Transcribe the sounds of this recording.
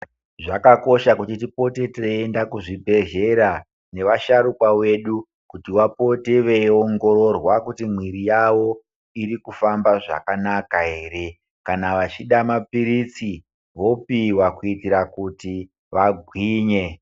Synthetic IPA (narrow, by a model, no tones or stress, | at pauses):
ʐakako̞ʃakutitipo̞te̞teendakuʐibʱe̞ʒe̞ɾa | ne̞ʋaʃaɾukwawe̞ɗu | kutiwapo̞teʋeoŋɡo̞ɾo̞rwakutim̤wiɾijaʋo̞ | iɾikufambaʐa̰kanakaɦe̞ːɾe̞ | kanaʋat͡ʃiɗamapiɾit͡si | ʋo̞piwakuitiɾakuti | ʋaɡʱwiːɲe̞